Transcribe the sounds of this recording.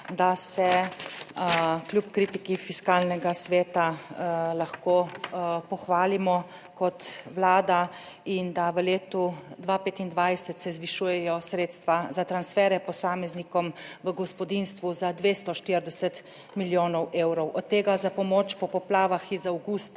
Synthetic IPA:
d̪asɛ | klʲjupkɾiːt̪ikifiskaːlnɛɡasʋeːt̪alaxkopɔxʋaːlimɔ | kɔt̪ʋlaːd̪a | ind̪aʋəleːt̪ud̪ʋaːpeːt̪ind̪ʋajsɛt̪sɛzʋiʃujɛjɔsɾeːt̪st̪ʋazat̪ɾansfɛːɾɛpɔsaːmɛznikɔmʋəɡɔspɔd̪inst̪ʋuzad̪ʋeːst̪ɔʃt̪iɾd̪ɛsɛt̪ | miljoːnɔwʔeːwɾɔwʔɔt̪ːeːɡazapɔmoːt͡ʃpɔpɔplaːʋaxizawɡust̪

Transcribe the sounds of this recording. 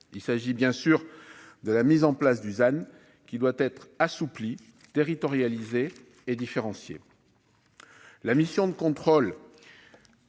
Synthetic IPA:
ilsaʒibjɛ̃syʁd̪əlamizɑ̃plas̬d̪yzan | kʲid̪wat̪ɛt̪χasupli | t̪eʁit̪ɔʁjalizeː | d̪ifeʁɑ̃sjḛ | lamisjɔ̃d̪əkɔ̃t̪χɔl

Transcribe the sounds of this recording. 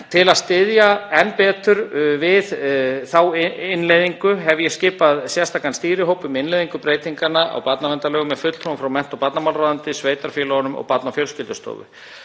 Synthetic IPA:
t̪ʰɪlaðst̪ɪðjaɛnːpɛːt̪ʏɾvɪðθawɪnlejðiŋkʏɦɛvjɛscɪːpaðsjɛ̥st̪ʰaːkanst̪iːɾɪɦoːwpʏmɪnlejðiŋkʏpɾeːjt̪iŋkanːaʔa̰wpat̪navɛnt̪alɛːɣʏmːɛðfʏt̪l̥t̪ʰɾomfɾawmɛn̥t̪ɔpat̪namaːlraðant̪ɪsveːjt̪aɾ̥fjɛːlɔɣnʏmɔ̰ɣpat̪nafjœlscɪlt̪ʏ̥st̪o̰ːwvʏ̰

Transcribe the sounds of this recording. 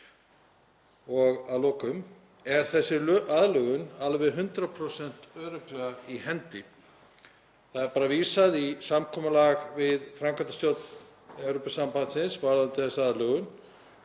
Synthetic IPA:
ɔɣaðlɔːkʏm | ɛɾ̥θɛsːɪaðlœɣʏnalvɛɦʏnt̪ɾapʰɾosɛn̥t̪œːɾʏklɛɣaihɛnt̪ɪ | θaðɛɾpaːɾaviːsaðisamkʰɔːmalaɣvɪðfɾamkʰant̪ast̪jolt̪n | ɛwɾopasampant̪sɪnsvaɾðant̪ɪθɛsaaðlœɣʏn

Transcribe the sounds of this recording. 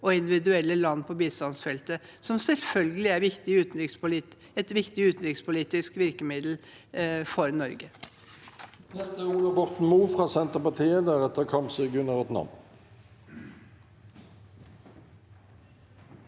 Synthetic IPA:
ɔɪnd̪ɪʋɪd̪ʉɛlːəlɑnːpʰɔbiːst̪ɑnsfɛlt̪əsɔmsɛlfœlɡəlɪæɾʋɪkt̪ɪʉːt̪nɾɪkspʊli | ɛt̪ʋɪkt̪ɪʉːt̪nɾɪkspʰʊliːt̪ɪskʋɪɾkəmɪd̪l̩ | fɔɾnɔɾɡə | nɛst̪əuːlɑbɔʁt̪n̩muːfʁɑːsɛnt̪əpɑt̪ʰiːəd̪æʁɛt̪əʁkʰɑmpsəɡʉnɑʋjɛt̪nɑ̰m

